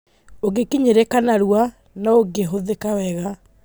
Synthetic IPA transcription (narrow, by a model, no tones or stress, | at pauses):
oɡekiɲeɾekanaɾwa | naoɡeɦoðekawɛɣa